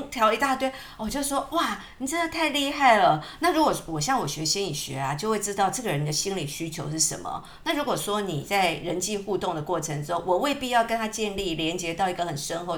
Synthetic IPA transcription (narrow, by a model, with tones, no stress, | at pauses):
t̪ʰjɑ˧˥ʊi˧˥t̪a˥˧t̪we˥˩ɪ | wɔ˨˩t͡ɕjo˥˧ʊʂwɔ˦˥wa˥˩ | ni˨˩ʈ͡ʂə˥d̪ə˨t̪ʰa˥˧ɪli˥˧xa˥˩ɪlə˩na˥˩ɻu˧˥kwɔ˨˩wɔ˨˩ɕjɑ˥˩ŋwɔ˨˩ɕɥɛ˧˦˥ɕɛ˥ni˨˩ɕɥɛ̰˧˦a˨˦t͡ɕjo˥˧ʊxwe˥˧ɪʈ͡ʂɻ̩˥t̪ɑ˥˧ʊʈ͡ʂɤ˥˩ɡə˨˩ɻə˧˦ni˨˩d̪ə˨ɕi˥nli˨˩ɕy˥t͡ɕʰjo˧˥ʊʂɻ̩˥˩ʂə̰˧˥nmə̰˨ | na˥˩ɻu˧˥kwɔ˨˩ʂwɔ˦ni˨˩t͡sa˥˩ɪɻə˧˦nt͡ɕi˥˧xu˥˧t̪ʊ˥˩ŋd̪ə˩kwɔ˥˩ʈ͡ʂʰə˧˥ŋʈ͡ʂo˥˦ŋwɔ˨˩we˥˧ɪpi˥˧jɑ˥˩ʊkə˥nt̪ʰa˥t͡ɕjɛ˥˧nli˥˩ljɛ˧˥nt͡ɕjɛ˧˥t̪ɑ˥˩ʊi˧˥ɡə˨xə˨˩nʂə˥nxo˧ʊ